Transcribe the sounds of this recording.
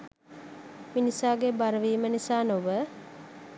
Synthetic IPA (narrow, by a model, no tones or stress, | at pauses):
minisaːɡebaɾəʋiːmənisaːnoʋə